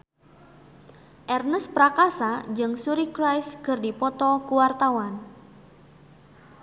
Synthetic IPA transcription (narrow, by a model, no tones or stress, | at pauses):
ʔɛrnəspɾakasad͡ʒɨŋsuɾikɾajskərdipɔt̪ɔkuwart̪awan